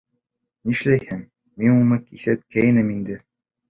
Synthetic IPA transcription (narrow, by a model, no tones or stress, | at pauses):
niʃlæjhɘŋ | minumɤkiθæt̪̚kæjɘnɘmind̪ɘ